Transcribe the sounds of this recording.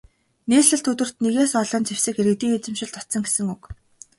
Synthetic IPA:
neːsɮɘ̆ɬt̪ɵt̪ɵ̆r̥t̪neɣeːsɔɮɞ̆nt͡sewsɘ̆kxeɾɘ̆k̚t̪iːet͡sɘ̆mʃɪ̆ɮt̪ɔt̪sɞ̆ŋɡesɘ̆ŋuk

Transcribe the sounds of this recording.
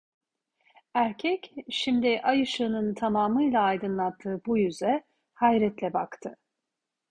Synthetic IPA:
æɾcʰɛcʃimd̪iʔajɯʃɯːnɯnt̪ʰamaːmɯjlˠaːjd̪ɯnlˠat̪ʰːɯːbujyzɛ | hajɾɛt̪lʲɛbakt̪ʰɯ

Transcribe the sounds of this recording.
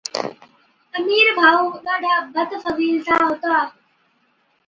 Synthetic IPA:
əmiːɾbʱaːuːɗaːɖʱaːbət̪fəʋiːlsãːɦoːt̪aː

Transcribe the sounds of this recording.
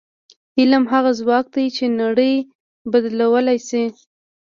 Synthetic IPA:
hɪlamɦaɣazwɑk̚d̪ajt͡ʃenaɽəj | bad̪lawəlajsi

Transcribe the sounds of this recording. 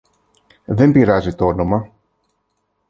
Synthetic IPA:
ðe̞mbiɾɐzit̪oonomɐ

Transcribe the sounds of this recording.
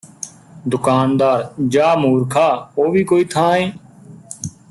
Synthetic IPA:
d̪ʊkaːnd̪aːɾd͡ʒaːmuːɾkʰaːoːʋiːkoːiːt̪ʰãːẽː

